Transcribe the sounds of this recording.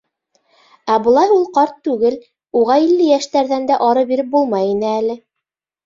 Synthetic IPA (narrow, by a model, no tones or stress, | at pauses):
æbɤ̆lˠɑjulˠqɑɾt̪ːʉɡɘl | uʁɑilːɘjæʃt̪æɾðænd̪æʔɑɾɤbiɾɘp̚bulˠmɑjinɘælɘ